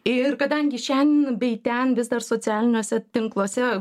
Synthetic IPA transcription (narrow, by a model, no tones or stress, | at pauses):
ɪrkɐd̪ɐŋʲɡʲɪʃʲɛnʲbʲɛɪt̪ʲɛnʋʲɪzd̪ɐrsoːt͡s̪ʲɪæːlʲɪnʲoːsʲɛt̪ʲɪŋklˠoːsʲɛ